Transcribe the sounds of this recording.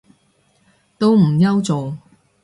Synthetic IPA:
t̪o˥wm̩˨˩jɐ˥wt͡so˨w

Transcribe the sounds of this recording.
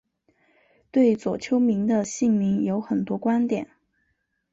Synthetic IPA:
t̪we˥˩ɪt͡swɔ˨˩t͡ɕʰjo˥ʊmi˧˥ŋd̪ə˧ɕi˥˩ŋmi˧˥ŋjo˧˥ʊxə˨˩nt̪wɔ˥kwa˥nt̪jɛ̰˨˩˦n

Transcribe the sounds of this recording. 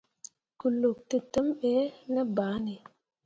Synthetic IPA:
ku˨lu˨k̚tə˨tə˦mɓe˦nə˦ba˨˦ne˨

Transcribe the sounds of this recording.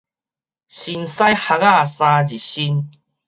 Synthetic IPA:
ɕi˧nsa˦jha˧ɣa˥˧sã˧d͡ʑi˨˩ɕi˧n

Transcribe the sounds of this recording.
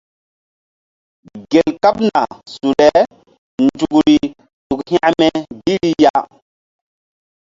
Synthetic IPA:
ɡe˨lka˦p̚na˨su˨lɛ˦ | nd͡ʒu˨kɾi˨ | tu˨khĩ˦ã˦mɛ˦bi˦ɾi˦ja˦

